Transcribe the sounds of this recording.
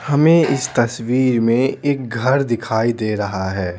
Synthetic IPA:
hɐmẽɪst̪ɐswiːɾmẽeːk̚ɡʱɐɾd̪ɪkʰaːid̪eːɾɐɦaɦɛː

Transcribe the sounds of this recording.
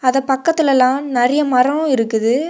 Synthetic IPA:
ɐðɐpɐkːɐt̪ːɪlɐlãːnɐrɐjɐmɐrɐ̃ʋʊ̃ɪɾɯkːɯðɯ

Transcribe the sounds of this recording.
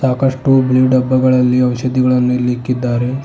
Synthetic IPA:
saːkɐʂʈubliːɖɐbːɐɡɐɭɐlːiɐʋɐʃɐd̪iɡɐɭɐnːuilːiːkːid̪ːaːɾe

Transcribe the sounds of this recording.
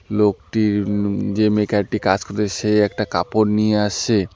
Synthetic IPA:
lokʈiɾd͡ʑemekʰaɾʈikad͡ʑkoɾeseɛk̚ʈaka̰poɾnijeaʃʰe

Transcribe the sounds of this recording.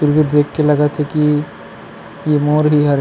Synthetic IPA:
ʊɾɡid̪d̪eːkʰːelɐɡət̪ʰɦɛki | jemoːɾɦiɦɐɾ

